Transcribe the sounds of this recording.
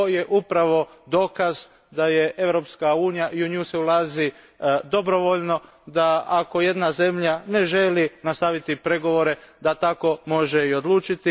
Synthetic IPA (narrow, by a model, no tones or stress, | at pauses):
oje̞ʔupɾaʋo̞d̪o̞ːkaz | d̪ajeʔe̞ʋɾo̞pskauːnijaʔiuɲuseulˠaːzi | d̪o̞bɾo̞ʋo̞ʎno̞ | d̪aako̞je̞d̪naze̞mʎane̞ʒe̞linast̪aʋit̪ipɾe̞ɡo̞ʋo̞ɾe̞d̪at̪ako̞mo̞ʒeio̞d̪lˠuːt͡ʃit̪i